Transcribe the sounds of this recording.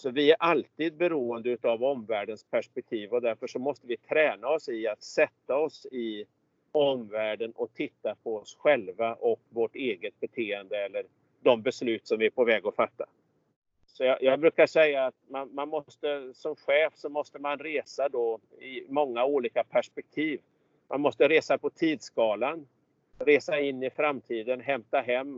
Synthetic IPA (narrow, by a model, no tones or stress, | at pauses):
sɔvɪæɾʔalt̪iːd̪̚bɛɾuːənd̪əʉt̪avɔmvæːɖənspʰæʂpɛk̚t̪ʰiːvɔd̪æɾfœʂɔmɔst̪əvɪt̪ʰɾɛːnaɔsɪat̪sɛt̪ːaɔsɪ | ɔmvæːɖənʔɔt̪ʰɪt̪ːapʰɔɔsɧɛlvaʔɔkvoʈeːɡət̪̚bɛt̪ʰeːənd̪əɛlːəɾ | d̪ɔmbɛslʉ̟ːt̪sɔmvɪæpɔvɛːɡɔfat̪ːa̰ | sɔjɑjɑːɡbɾʉ̟ːkaʂɛjːaːt̪manmanmɔst̪əsɔmɧɛːfsɔmɔst̪əmanɾeːsad̪ɔɪmɔŋːauːliːkapʰæʂpɛk̚t̪ʰiːv | mʔa̰nmɔst̪əɾeːsapɔt̪ʰiːd̪sɡɑːlan | ɾeːsaɪnːɪfɾamt̪ʰiːd̪ənɦɛmt̪aɦɛmː